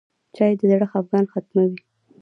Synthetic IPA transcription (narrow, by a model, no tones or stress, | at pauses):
t͡ʃɑjed̪əd̪aɽəxafɣɑnxat̪mawi